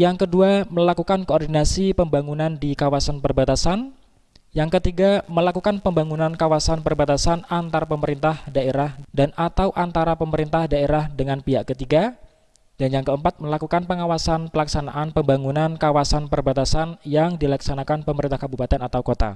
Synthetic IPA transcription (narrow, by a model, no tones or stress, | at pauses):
jaŋkəduaməlakukankoːrdinasipəmbaŋunandikawasanpərbat̪asan | jaŋkət̪iɡaməlakukanpəmbaŋunankawasanpərbat̪asanant̪aɾapəməɾint̪ahdaeɾahdanat̪awʔant̪aɾapəməɾint̪ahdaeɾahdəŋanpiɦaʔkət̪iɡa | danjaŋkəəmpat̪̚məlakukanpəŋawasanpəlaksana̰ʔanpəmbaŋunankawasanpərbat̪asanjaŋdilaksanakanpəməɾint̪ahkabupat̪ɛnat̪awkot̪a̰